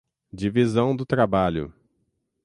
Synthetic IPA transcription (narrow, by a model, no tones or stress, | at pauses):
d͡ʒivizɐ̃w̃d̪ʊt̪ɾabaʎʊ̰